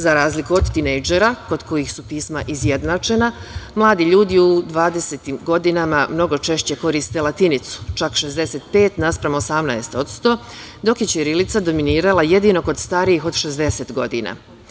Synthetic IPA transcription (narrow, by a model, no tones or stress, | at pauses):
zaɾaːzlikuo̞d̪t̪inejd͡ʒeɾako̞d̪ko̞jixsupiːsma̰ʔizje̞d̪nat͡ʃe̞namlˠaːd̪iʎuːd̪iud̪ʋaːd̪e̞se̞t̪imɡo̞d̪inamamno̞ɡo̞t͡ʃe̞ʃt͡ɕe̞ko̞ɾist̪elˠat̪init̪su̥t͡ʃakʃe̞zd̪e̞se̞t̪pe̞ːt̪naspɾamoosamnaest̪o̞t̪st̪o̞ | d̪o̞kjet͡ɕeɾilit̪sad̪o̞miniːɾalaje̞d̪ino̞ko̞d̪st̪aːɾijixo̞d̪ʃe̞zd̪e̞se̞t̪ɡo̞d̪ḭna̰